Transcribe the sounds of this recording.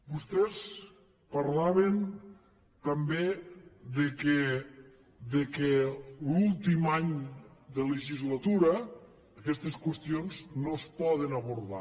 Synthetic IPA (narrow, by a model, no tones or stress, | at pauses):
bust̪ɛs | paɾlaβen | t̪əmbed̪əke | ðəkelulˠt̪imaɲd̪ələʒizlət̪uɾəː | kɛst̪eskwəst̪ionznospɔðənəβuɾða̰